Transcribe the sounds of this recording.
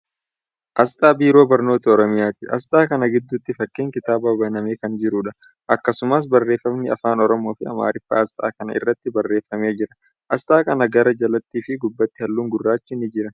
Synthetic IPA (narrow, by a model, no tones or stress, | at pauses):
ʔɐst̪ʼaːbiːɾo̞ːbɐɾno̞ːt̪ɐɔɾɔmɪjaːt̪ɪʔɐ̰st̪ʼaːkɐnɐɡɪd̪ːʊt̪ːɪfɐkːeːŋkɪt̪aːbaːbɐnɐme̞ːkɐnd͡ʒɪɾuᶑɐ | ʔɐkːɐsʊmɐs̬bɐrːe̞ːfːɐmnɪɐ̰faːnɔɾɔmo̞ːfɪɐ̰ma̰ːɾɪfːa̰ːɐst̪ʼa̰ːkɐnɐ̰ɪ̰rːɐt̪ːɪbɐrːe̞ːfːɐme̞ːd͡ʒɪɾɐ | ʔɐst̪ʼaːkɐnɐɡɐɾɐd͡ʒɐlɐt̪ːiːfɪɡʊbːɐt̪ːɪhɐlːuːŋɡʊrːaːt͡ʃːɪnɪd͡ʒɪɾɐ